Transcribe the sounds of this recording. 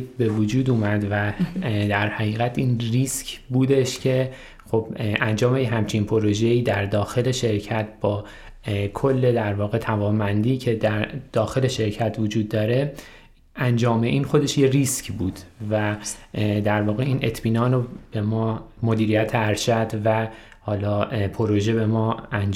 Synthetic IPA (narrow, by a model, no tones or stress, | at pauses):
be̞vod͡ʒuːd̪uːmæd̪væd̪æɾhæɣiːɣæt̪ʰiːnriːscʰbuːd̪e̞ʃcʰe̞ | xo̞bʔænd͡ʒɒːme̞jeɦæmt͡ʃʰinpʰo̞ɾo̞ʒe̞iːd̪æɾd̪ɒːxe̞le̞ʃe̞ɾcʰæt̪̚ʰbɒː | kʰo̞lːe̞d̪æɾvɒːɣe̞t̪ʰævɒːnbænd̪iːcʰe̞d̪æɾd̪̥ɒːxe̞le̞ʃe̞ɾcʰæt̪ʰvo̞d͡ʒuːd̪ːɒːɾe̞ | ænd͡ʒɒːme̞ʔiːnxo̞d̪e̞ʃjeriscbuːd̪̥væ | d̪æɾvɒːɣeiːnʔe̞t̪ʰmiːnɒːnob̥e̞mɒːmo̞d̪iːɾijæt̪ʰeæɾʃæd̪væ | hɒːlɒːpʰoɾo̞ʒe̞be̞mɒːænd͡ʒ